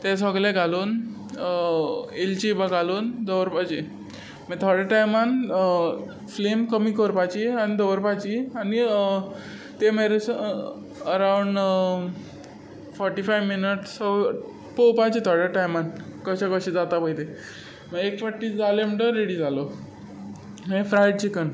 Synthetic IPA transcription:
t̪ɛs̬əɡlẽɡʱaloːn | elt͡ɕibaɡʱaluːnd̪əʋɾpat͡ɕi | mɛt̪ʰɔɾɽaʈajman | flemkəmiːkʰoɾpat͡ɕianid̪əʋɾpat͡ɕiani | t̪emeɾes | əɾauɳɖ | fɔɾʈifajʋminəʈsə | powpat͡ɕit̪ʰɔɾɽaʈajmankəɕakəɕed͡zat̪apəjt̪e | meekfəʈːid͡zalem̤əɳʈəɾeɽiːd͡zalo | mẽfɾajɽ̚t͡ɕikən

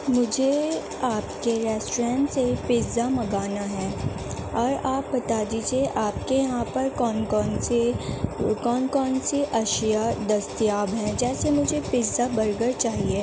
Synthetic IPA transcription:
mʊd͡ʒʱe | aːpkeɾɛːsʈːɾɛ̃ːɳʈsepɪzamɐɡaːnaɦɛ̃ː | ɔːɾaːp̚bɐt̪aːd̪iːd͡ʒieʔaːpkejɐɦãpɐɾkɔːnkɔːn | kɔːnkɔːnsiʔɐʃjad̪ɐst̪ijaːbɦɛ̃d͡ʒɛːsemʊd͡ʒʱepɪzabɐɾɡəɾt͡ʃaːɦie

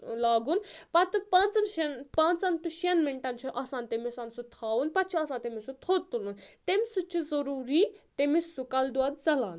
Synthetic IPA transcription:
laːɡunpɐt̪ɨpãːnt͡sɐnʃenpãːnt͡sant̪uʃenmeɳʈant͡ʃʰuʔaːsaːnt̪emisansut̪ʰaːwunpɐt̪̚t͡ʃʰiaːsaːnt̪emisut̪ʰoːt̪ulunt̪emsut͡ʃʰizɐɾuːɾiːt̪emisːukɐld̪waːd̪d͡zɐlaːn

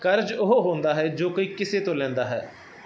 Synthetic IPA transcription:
kəɾd͡ʒʊɦoɦõːnd̪aːɦɛːd͡ʒoːkoiːkɪseːt̪õːlɛ̃ːnd̪aːɦɛ̰ː

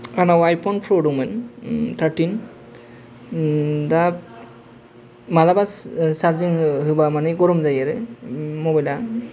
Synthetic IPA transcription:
anawajpʰɔnpʰɾoduŋmɛnt̪ʰaɾʈin | da | malabassaɾziŋɦɯbamanɛɡɔɾumzajɛɾɛmɔbajla

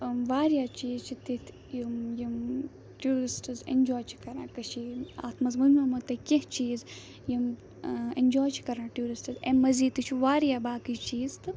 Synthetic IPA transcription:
ʋaːɾjaːt͡ʃiːzt͡ʃʰit̪it̪ʰ | jimjim | ʈjuːɾisʈɨzḛɲd͡ʒɔːjt͡ʃʰi̥kɐɾãːkɐʃia̰ːt̪ʰmɐzmɐnmɐmɐt̪ɐkʲeɦt͡ʃiːz | jim | eɲʲd͡ʒɔːjt͡ʃʰi̥kɐɾãːʈʲjuːɾisʈɨzḛmːɐziːt̪ːɨt͡ʃʰiʋaːɾjaːbaːkit͡ʃiːzt̪ɨ

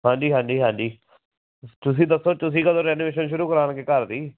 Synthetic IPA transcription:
ɦãːɲd͡ʒiːɦãːd͡ʒiːɦãːɲd͡ʒiː | t̪ʊs̬ĩːd̪əsːoːt̪ʊs̬ĩːkəd̪õːɾɛːnoʋeːʃənʃʊɾuːkəɾaːnɡekəɾd̪iː

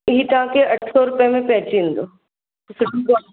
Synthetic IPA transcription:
ɪɦit̪ɐʋãkeɐʈʰsɔɾʊpjəmẽpɛ̃ɦt͡ʃĩnd̪o | sɪʈuɡa

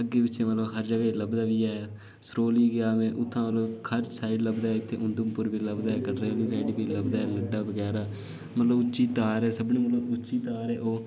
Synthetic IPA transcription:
əɡːeːbɪtːʃẽːmət̪ləbɦəɾd͡ʒəɡːləbd̪aːʋiːɛː | sɾoːliːɡɪjaːmẽːʔʊt̪ʰːãːmət̪ləkʰəɾsaːɪɖləbd̪aːɛːɪt̪ʰːeːʔʊnd̪əmpʊɾbiːləbd̪aːɦɛːkəɖɾeːliːsaːiɖbiːləbd̪aːɦɛːləɖːaːbəɡɛːɾaː | mət̪ləbʊt͡ʃːt͡ʃiːt̪aːɾɛːsəbnẽːmət̪ləbʊt͡ʃːt͡ʃiːt̪aːɾɛːʔoː

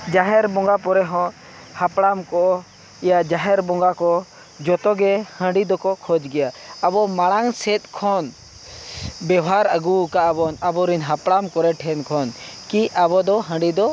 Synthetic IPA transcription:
d͡ʒaɦɛɾbɔ̃ŋɡapɔɾɛɦɔ̃ | hapɽamkɔʔɔ | ijad͡ʒaɦɛɾbɔ̃ŋɡakɔ | d͡ʒɔt̪ɔɡɛhə̃ɳɖid̪ɔkɔkʰɔd͡ʒɡɛjaabɔmaɽaŋsɛt̪̚kʰɔn | bɛaɾaɡukaʔabɔnabɔɾinɦapɽamkɔɾɛʈʰɛnkʰɔnkiʔabɔd̪ɔɦə̃ɖid̪ɔ

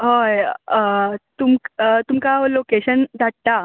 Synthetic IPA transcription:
ɦoj | t̪umkt̪umkaolokeɕənd̪ʱaʈt̪a

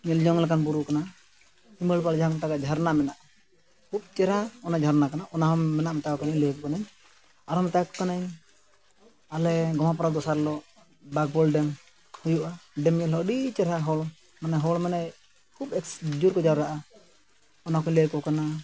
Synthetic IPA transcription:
ɲɛld͡ʒɔŋlakanbuɾukana | himəlpald͡ʒaŋt̪aɡad͡ʒʱaɾnamɛnaʔ | kʰub̚t͡ʃɛɾaɔnad͡ʒʱaɾnakanaʔɔnaɦɔmːɛnaʔmɛt̪akɔkanaɲləjkɔkanaɲ | aɾɔmɛt̪akɔkanaɲ | alɛɡɔmapɔɾad̪ɔsaɾlɔ | bak̚bɔlɖɛm | hujuʔaɖɛmɛlɦɔɔɖit͡ʃɛɾaɦɔl | manɛɦɔlmɛnaj | kʰubɛksd͡ʒuɾkɔd͡ʒawɾaʔa | ɔnakɔɲləjkɔkana

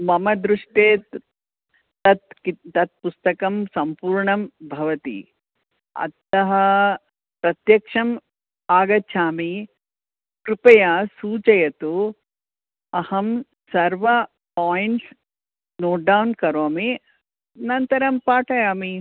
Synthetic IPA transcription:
mɐmɐd̪ɾuʂʈeːt̪ | t̪ɐt̪kit̪ɐt̪̚pust̪ɐkɐmsɐmpuːɾɳɐmbʱɐʋɐt̪ḭ | ɐ̰t̪ɐɦɐ | pɾɐt̪jɐkʂɐm | aːɡɐt͡ʃʰʃʰaːmi | kɾupɐjɐsuːt͡ʃɐjɐt̪u | ɐhɐm | sɐɾʋɐ | paːjɳʈs | noːɖɐwnkɐɾoːmi | nɐnt̪ɐɾɐmpaːʈɐjaːmi

